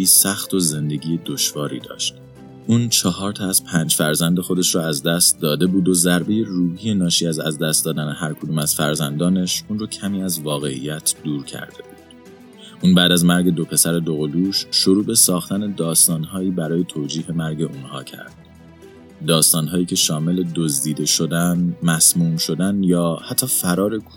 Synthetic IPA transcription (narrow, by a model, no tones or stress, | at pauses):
iːsæxt̪o̞ze̞nd̪e̞ɟiːjed̪o̞ʃvɒːɾḭːd̪ɒ̰ːʃt̪ | ʔuːnt͡ʃʰɒɦɒːɾt̪ʰɒæz̥pʰæːnd͡ʒfæɾzænd̪exo̞d̪e̞ʃɾɔːæzd̪æst̪̚d̪ɒːd̪e̞buːd̪o̞zæɾbe̞je̞ruːhiːje̞nɒːʃiːæzæ̰zd̪æst̪d̪ɒːd̪ænehæɾkʰod̪uːmæz̥fæ̰ɾzænd̪ɒːne̞ʃuːnrɔːcʰæmiːæzvɒːɣe̞ḭjæt̪ʰd̪̥uːɾcʰæ̰ɾd̪̥e̞buːd̥̪ | ʔuːnbæːd̪æzmæɾɟe̞d̪o̞pʰe̞sæɾe̞d̪o̞ɣo̞luːʃʃoɾuːbe̞sɒːxt̪ʰæne̞d̪ɒːst̪ɒːnɦɒːiːbæɾɒːje̞t̪ʰoːd͡ʒiːɦe̞mæɾɟe̞ʔunhɒ̰ːcʰæ̰ɾd̪̥ː | ɒːst̪ɒːnɦɒːjiːcʰe̞ʃɒːme̞le̞d̪ozd̪iːd̪e̞ʃo̞d̪ænmæsmuːmʃo̞d̪ænjɒːhæt̪ʰːɒːfæɾɒːɾe̞k